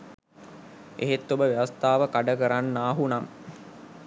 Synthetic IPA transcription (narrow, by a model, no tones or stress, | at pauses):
ʔḛɦet̪ːobəʋeʋast̪aːʋəkaɖəkəɾanːaːɦunaŋ